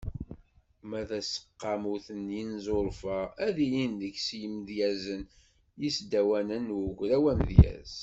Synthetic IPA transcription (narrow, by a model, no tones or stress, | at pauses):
mæðæsə̥qːɑmuθənjinzˤoɾˤfəæðijind̪əksjəmðjæzən | jisd̪æwænənɡʷɾæwænðjæ̰z̥